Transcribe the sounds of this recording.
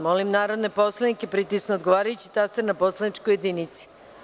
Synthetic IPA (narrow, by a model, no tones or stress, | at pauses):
molimnaːɾo̞d̪neposlˠanikepɾit̪isnood̪ɡo̞ʋaːɾajut͡ɕi̥t̪ast̪eɾnaposlˠad̪nit͡ʃkoje̞d̪init̪si̥